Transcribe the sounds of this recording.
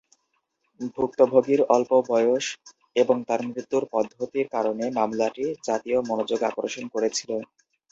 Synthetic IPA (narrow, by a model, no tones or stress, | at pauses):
bʱuk̚t̪obʱoɡiɾɔlpobɔjoʃ | eboŋt̪aɾmɾit̪ːuɾpɔd̪ʱːot̪iɾkaɾonemamlaʈid͡ʑat̪ijomɔnod͡ʑoɡa̰kɾoʃonkoɾet͡ɕʰilen